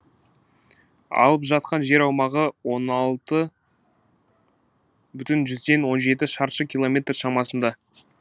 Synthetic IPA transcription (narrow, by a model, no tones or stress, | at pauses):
ɑ̰lˠəpʒɑt̪̚qɑnʒe̞ɾɑwmɑʁəwo̞nɑlˠt̪ə | bʏt̪ɪnʒʏzd̪e̞nwo̞nʒe̞t̪ɪʃɑɾʃəkʲʰilˠo̞mʲe̞t̪rʃɑmɑsənd̪ɑ